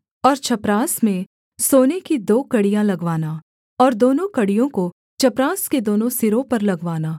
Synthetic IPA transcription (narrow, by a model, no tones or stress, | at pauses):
ɔːɾt͡ʃʰɐpɾaːsmẽ | soːnekid̪oːkɐɽijãlɐɡʋaːna | ɔːɾd̪oːnõkɐɽijõko | t͡ʃʰɐpɾaːsked̪oːnõsɪɾõpɐɾlɐɡʋaːnaː